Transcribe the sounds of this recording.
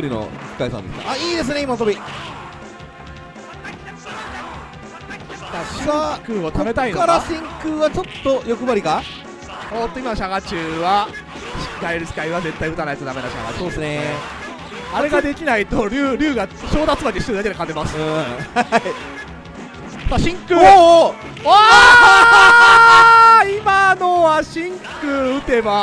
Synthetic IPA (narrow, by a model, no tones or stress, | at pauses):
oɾʲino̰t͡skaisã̰nd̪esɨna̰ʔaiːd̪e̞s̬ɨneimaas̬obʲi | aakɯːot̪ome̞t̪aikaɾasĩŋkɯːβat͡ɕo̞t̪ːo̞jo̞kɯ̟baɾʲika | mot̪ːo̞imaɕaɡat͡ɕɨːβa | ɡaiɾɯt͡sɨ̥kaiβad͡ze̞t̪ːaiɯ̟t̪anajt̪od̪ame̞naɕa̰ɡasoesne | aɾe̞ɡad̪e̞kʲinait̪o̞ɾʲɯːɾʲɨːɡaɕo̞ːd̪at͡sɨmaɲiɕst̪eɾɯd̪aked̪ekat̪emasɨ̥ | t̪aɕĩŋkɯː | a | imano̞βaɕĩŋkɯ̟ɯ̟t̪e̞ba